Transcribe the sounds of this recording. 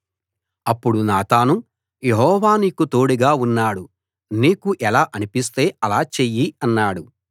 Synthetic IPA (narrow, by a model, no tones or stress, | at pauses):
ɐpːuɽunaːt̪aːnu | je̞ɦɔːʋaːniːkut̪oːɽiɡaːunːaːɽu | niːkuʔɛlaːʔɐnipist̪e̞ːɐlaːt͡ʃejiɐnːaːɽu